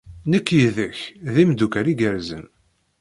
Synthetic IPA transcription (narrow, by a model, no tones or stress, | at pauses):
nəkːjiðəçðimd̪ukəɾiɡəɾzə̰n